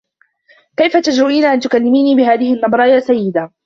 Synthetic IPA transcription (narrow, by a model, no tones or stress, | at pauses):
kajfat̪ad͡ʒɾʊʔiːnaʕant̪ʊkalːɪmiːniːbɪɦaːðɪhɪʔnːɑbɾˤɑjaːsajːɪd̪a